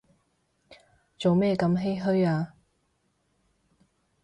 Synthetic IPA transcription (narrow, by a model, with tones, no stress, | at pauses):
t͡so˨wmɛː˥˩kɐ˧˥mɦe˥jɦɵ˥ɥaː˧